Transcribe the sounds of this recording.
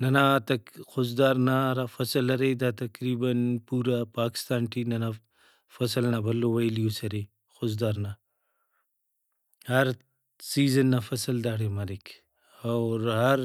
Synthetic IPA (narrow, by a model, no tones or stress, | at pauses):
nanat̪ɐxʊzd̪aːɾnaɾafɐsəlɐɾed̪at̪ɐkɾibanpuɾapaːkɪ̥st̪aːnʈinana | fɐsəlnabɐlowajlijosɐɾe | xʊzd̪aɾna | haɾ | sizənːafɐsəld̪aːɽemalikʰ | awɾɦaɾ